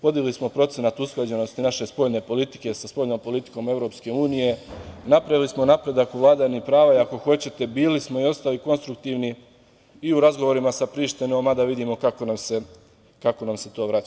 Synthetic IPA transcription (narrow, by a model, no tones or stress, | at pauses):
po̞d̪iɡlismo̞pɾo̞t̪senat̪usklˠad͡ʑe̞no̞st̪inaʃe̞spo̞ʎne̞po̞lit̪i̥ke̞saspo̞ʎno̞ːmpo̞lit̪i̥ko̞me̞ʋɾo̞pske̞uːnije̞napɾaʋilismo̞napɾe̞d̪akuʋlˠaːd̪aɲipɾaːʋaiako̞xo̞t͡ɕe̞t̪e̞biːlismo̞io̞st̪aliko̞nst̪ɾuk̚t̪iʋni | iuɾazɡoʋo̞ɾimasapɾiːʃt̪ino̞mad̪aʋid̪imokako̞namse̞ | kako̞namse̞t̪o̞ːʋɾat͡ʃa